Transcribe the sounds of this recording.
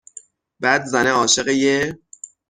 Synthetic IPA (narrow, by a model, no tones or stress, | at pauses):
bæːd̪zæneɒːʃe̞ɣeje